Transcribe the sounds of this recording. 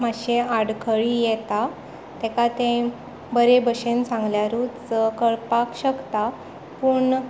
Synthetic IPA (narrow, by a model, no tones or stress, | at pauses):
maɕeaɽkʰəɭijɛt̪a | t̪ɛ̃kat̪ẽ | bəɾebəɕensãŋɡljaɾut͡st͡səkəɭpakɕəkt̪a | puːɳ